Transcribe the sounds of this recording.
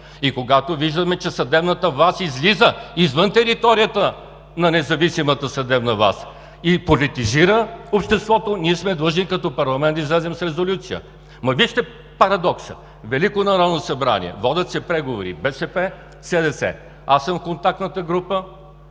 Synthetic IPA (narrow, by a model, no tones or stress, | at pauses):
ikoɡat̪oviʒd̪əmɛt͡ʃɛsɐd̪ɛbnət̪əvasizlizəizvənt̪ɛɾit̪ɔɾijət̪ə | nɐnɛzɐvisimət̪əsɐd̪ɛbnɐva̰s | ipolit̪iziɾəopʃt̪ɛst̪vɔt̪oniɛsmɛd̪lˠɤʒnikɐt̪ɔpɐɾlˠɐmɛnt̪izlɛzɛmsɾɛzolʲut̪sijə̰ | mɐviʃt̪ɛ | pɐɾɐd̪ɔksə̰ | vɛlikonɐɾɔd̪nosɐbɾa̰nḭɛ̰vɔd̪ʲɐt̪sɛpɾɛɡovoɾḭbɛsɛpɛ | sɛd̪ɛsɛ̰ | asːəmfkont̪ak̚t̪nət̪əɡɾupə